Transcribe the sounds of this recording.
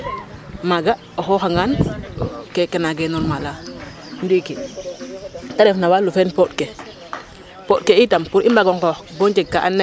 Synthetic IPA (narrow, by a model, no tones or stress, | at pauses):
maɡa | oxɔːxaŋɡan | kekenaɡenɔɾmala | nduike | taɾefnawalufenpot̚ke | pot̚keitampuɾimbaɡoŋkoxboɲt͡ʃeɡ̚kaʔanːe